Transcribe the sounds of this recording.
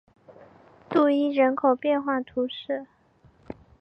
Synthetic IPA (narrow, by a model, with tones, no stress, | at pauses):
t̪u˥˩i˥ɻə˧˥nkʰo˨˩ʊpjɛ˥˧nxwa˥˩t̪ʰu˧˥ʂɻ̩˥˩